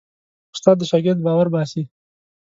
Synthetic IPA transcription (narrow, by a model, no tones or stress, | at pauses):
ʊst̪ɑd̪ːəʃɑɡɪɾd̪̚bɑːwaɾbɑsi